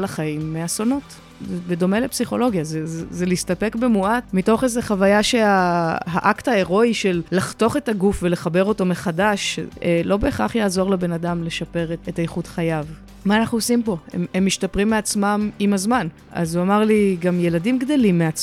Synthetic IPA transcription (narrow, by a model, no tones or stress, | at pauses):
laχaimːeaso̞not | bedo̞melepsiχo̞̰lo̞ɡjazezeliistape̞kbe̞muatmito̞χezeχavajaʃeaha̰ʔaktae̞ʁo̞iʃelːaχto̞χe̞taɡufve̞le̞χabeʁo̞to̞meχadaʃelo̞be̞ːχa̰χjaːzo̞ʁlebe̞nadamle̞ʃape̞ʁeetajeχudχajav | maːnaχnuosimpo̞ḛmemːiʃtapʁimːeat͡smamimazman | a̰zuamaʁliɡamje̞ladimɡd̪o̞limːeat͡s